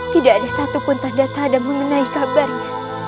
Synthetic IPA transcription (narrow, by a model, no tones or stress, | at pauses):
t̪idaʔadasat̪upʊnt̪andat̪adanməŋənãikabarna